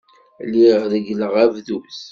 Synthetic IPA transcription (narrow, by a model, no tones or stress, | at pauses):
liʁðəɡləʁævðus